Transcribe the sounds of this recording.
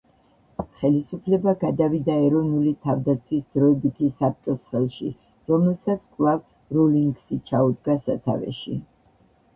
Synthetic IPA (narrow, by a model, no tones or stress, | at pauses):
χɛlisupʰlɛbaɡad̪avid̪aɛɾɔnulit̪ʰavd̪at̪sʰwisd̪ɾɔɛbit̪ʰisap̚t͡ʃʼɔsχɛlˠʃḭ | ɾɔmɛlˠsat̪sʰkʼlˠav | ɾɔliŋɡsit͡ʃʰaud̪ɡasa̰t̪ʰa̰vɛ̰ʃḭ